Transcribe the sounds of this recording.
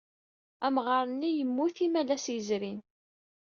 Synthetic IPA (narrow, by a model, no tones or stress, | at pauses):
æmʁəɾˤənːijəmːuθimælæsjəzɾin